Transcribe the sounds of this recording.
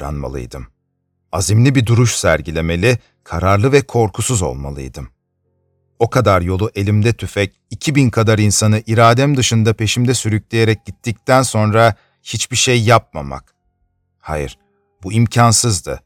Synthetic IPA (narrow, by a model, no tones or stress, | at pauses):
ɾa̰nma̰lˠɯ̰jd̪ɯm | azimlʲibid̪uɾuʃsæ̰ɾɟilʲe̞me̞lʲi | kʰaɾaɾlˠɯvɛkʰo̞ɾkʰusuzo̞̰lˠma̰lˠɯ̰jd̪ɯm | o̞kʰad̪aɾjo̞lˠuʔe̞lʲimd̪ɛt̪ʰyfɛc | icʰibinkʰad̪aɾinsanɯʔiɾaːd̪æmd̪ɯʃɯnd̪apʰe̞ʃimd̪ɛsyɾyclʲejeɾɛc̚ɟit̪ʰːic̚t̪ʰænso̞nɾa | hit͡ʃbiʃejːap̚ma̰ma̰k | ha̰jḭɾ̥ | buimcʰansɯzd̪ɯ̰